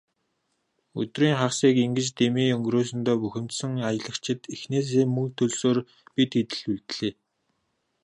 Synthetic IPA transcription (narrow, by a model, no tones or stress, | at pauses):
ɵ̰t̪riːŋχaχsiːkiŋɡɘ̆t͡ɕt̪emiːɵŋɡroːs̬ɵ̆nt̪ɔːpuxʲɪ̆mt̪sə̆ŋajə̆ɮə̆kt͡ɕʰɪ̆t̪ixneːs̬eːmmːɵŋt̪ʰɵɮsoːr | pit̪it̪ɘ̆ɮuɮt̪ɮeː